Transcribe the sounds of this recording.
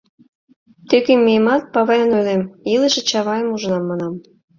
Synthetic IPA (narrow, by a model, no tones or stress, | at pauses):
t̪økemːiemɑt̪̚pɑβɑjɑnojlemilə̆ʃĕt͡ɕɑβɑjəmuʒə̆nɑmːɑnɑm